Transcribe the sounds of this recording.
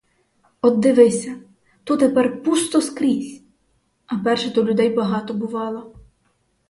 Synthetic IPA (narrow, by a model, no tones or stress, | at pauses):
ɔd̪ːɪʋɪsʲɐ | t̪ut̪epɛrpust̪ɔskɾʲisʲ | ɐpɛrʃɛd̪ɔlʲʊd̪ɛjbɐɦɑt̪ɔbʊʋɑlˠɔ